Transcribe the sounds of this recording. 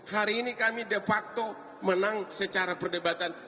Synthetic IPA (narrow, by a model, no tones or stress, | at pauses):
haɾiːnikamidefak̚t̪o | mənaŋsət͡ʃaɾapərdebat̪an